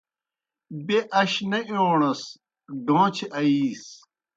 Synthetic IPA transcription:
beʔɐɕnɐoːɳɐs | ɖõːt͡ɕʰeʔɐiːs

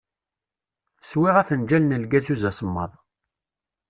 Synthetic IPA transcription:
swiʁæθənd͡ʒælnəlɡæt͡suzæsəmːɑ̰ðˤ

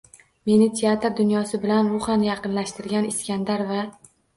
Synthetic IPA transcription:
me̞nɪt̪ʰeat̪ɾd̪ʊnjɒsɪbɪlanɾʊχanjɑqɨnlaʃt̪ɪɾɡʲanɪskʲand̪aɾva

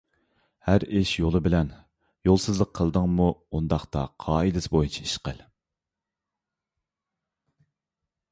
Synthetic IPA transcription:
hæɾɪʃjolˠɨbɪlɛn | jolˠsɨzlˠəqʰːəlˠd̪ɨŋmuund̪ɑχt̪ɑ̰qʰɑːid̪ɪsbojunt͡ʃʰɛ̥iʃqə̰l

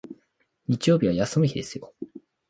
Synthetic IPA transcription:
ɲ̟it͡ɕijo̞ːbʲiβ̞ajasɨmɯçʲid̪e̞sɨjo

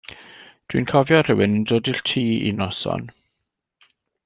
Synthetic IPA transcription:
d̥wḭnkʰɔvjɔr̥əwɪnəndoːdiɬtʰiːḭnɔsɔ̰n

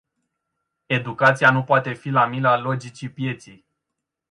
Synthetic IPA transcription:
e̞d̪ukat̪sianupoat̪e̞filamilalo̞d͡ʒit͡ʃipje̞t̪sij

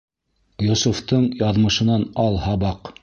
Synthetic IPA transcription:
jʊsuft̪ɤɴjɑðmɤ̆ʃɤ̆nɑnɑlˠhɑβɑq

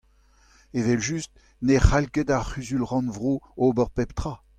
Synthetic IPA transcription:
evɛlʒyst̪ | neχalkɛd̪aχyzylʁɑ̃nvʁoobəʁpɛpt̪χa

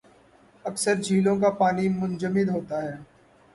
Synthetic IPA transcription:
ɐksəɾd͡ʒʱiːlõkapaːnimʊ̃nd͡ʒəmɪd̪ɦoːt̪aɦɛː

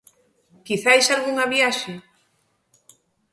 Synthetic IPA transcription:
kiθajsalɣuŋaβjaʃe

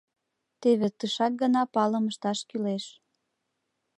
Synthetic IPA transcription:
t̪eβet̪əʃɑk̚ɡə̆nɑpɑləməʃt̪ɑʃkyleʃ

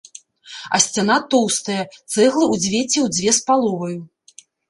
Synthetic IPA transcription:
ɐ̰sʲt͡sʲanat̪ɔwst̪ɐjɐt̪sɛɣlˠɨud͡zʲvʲɛt͡sʲːɛwd͡zʲvʲɛspalˠɔvɐju

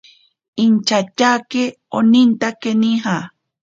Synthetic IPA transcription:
int͡ʃat͡ʃake | onint̪akeniɦa

